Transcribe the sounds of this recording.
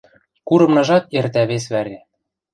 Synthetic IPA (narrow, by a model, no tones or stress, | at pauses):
kuɾɤ̆mnɤ̆ʒɑt̪ert̪æβesβæɾʲĕ